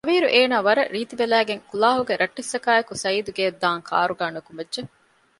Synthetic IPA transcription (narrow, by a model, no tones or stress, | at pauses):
ɐʋiːɾuʔeːnaːʋɐɾɐɾiːt̪ibelæːɡeŋkulaːɦuɡeɾɐʈːisːɐkaːekusɐiːd̪uɡed̪ːaːŋkʰa̰ːɾuɡaːnukumedʒe